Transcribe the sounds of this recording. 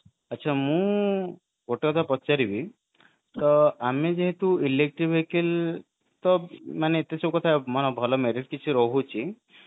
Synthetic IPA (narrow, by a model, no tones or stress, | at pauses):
ətːt͡ʃʰamũ | ɡoʈekɔt̪ʰapɔt͡ʃaɾibi | t̪ɔamed͡ʒeɦet̪uilek̚ʈɾibʱɦekʰil | t̪ɔmaneːt̪esʰekɔt̪ʰamɔnɔbʱɔlɔmeɾiʈ̚kit͡ʃʰiɾɔɦut͡ʃʰi